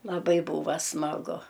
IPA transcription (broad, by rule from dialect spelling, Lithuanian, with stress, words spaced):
lˠɐˈbɐɪ ˈbuːʋɐ smɐˈɡʊ